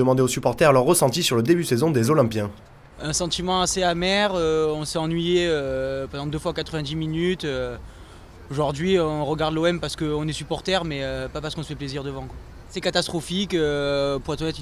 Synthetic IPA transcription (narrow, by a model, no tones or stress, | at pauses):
əmɑ̃d̪eosypɔʁt̪ɛʁalœʁːəsɑ̃t̪isyʁləd̪ebysezɔ̃d̪ezɔlɛ̃pjɛ̃ | ɛ̃sɑ̃t̪imɑ̃aseamɛʁøɔ̃sɛɑ̃nɥijeøpɑ̃d̪ɑ̃d̪øfwakat̪χəvɛ̃d̪iminyt̪ø | oʒuʁd̪ɥiɔ̃ʁəɡaʁd̪loɛmpaʁsə̥kəɔ̃nɛsypɔʁt̪ɛʁmɛøpapaʁsə̥kɔ̃səfɛpleziʁd̪əvɑ̃kwa | sɛkat̪ast̪χɔfikøpuʁɛt̪ɔ̃ɛt̪